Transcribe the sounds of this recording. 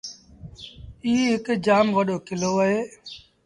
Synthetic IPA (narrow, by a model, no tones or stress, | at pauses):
iːɦɪkd͡ʒaːmʋəɗoːkɪloːəɦeː